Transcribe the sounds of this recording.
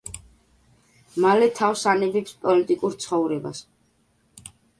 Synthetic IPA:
malɛt̪ʰawsanɛbɛpspʼɔlit̪ʼikʼuɾt̪sʰχɔvɾɛba̰s

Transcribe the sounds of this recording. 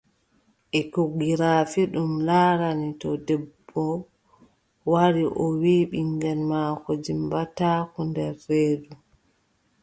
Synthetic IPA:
ʔɛkoɡiɾaːfiɗumlaːɾanitɔdɛbːɔ | waɾiʔɔwiːɓiŋɡɛnmaːkɔd͡ʒimbatakɔndɛɾːeːdu

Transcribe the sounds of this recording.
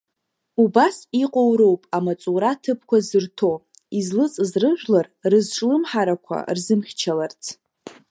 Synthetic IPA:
ubasiqʼowɾowpʼamat͡sʼuɾatʰɨpʰkʷazɨrtʰo̞ | izlɨt͡sʼzrɨʒᶣlarrɨzʈ͡ʂʼlɨmħaɾakʷʰa̰rzɨmχʲt͡ʃʰalart͡sʰ

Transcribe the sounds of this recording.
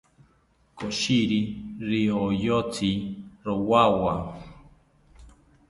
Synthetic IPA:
koʃiɾiɾiojot͡siɾowawa

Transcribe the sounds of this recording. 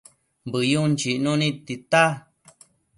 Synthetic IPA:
mbɨjunt͡ʃiʔnũnĩt̪it̪a

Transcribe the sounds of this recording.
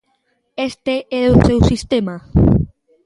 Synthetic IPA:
est̪eʔɛɾosewsist̪ema

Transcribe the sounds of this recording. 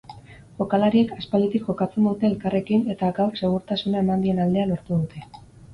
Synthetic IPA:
ʝo̞kalaɾie̞kaspald̪it̪ikʝo̞kat͡se̞nd̪ut̪e̞ːlkare̞kine̞t̪aɡawse̞ɣ̞uɾt̪asunae̞mand̪ie̞nald̪e̞alo̞ɾt̪uðut̪ʰe̞

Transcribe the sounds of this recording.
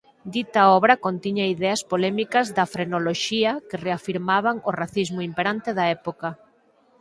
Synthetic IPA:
d̪it̪aɔβɾɐkont̪iɲaiðɛɐspolɛmikɐzðɐfɾenoloʃiɐkereafiɾmaβaŋoraθizmʊimpeɾant̪eðɐɛpokɐ

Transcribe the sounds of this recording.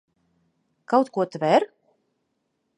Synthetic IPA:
kawt̪kuɔt̪vɛɾ

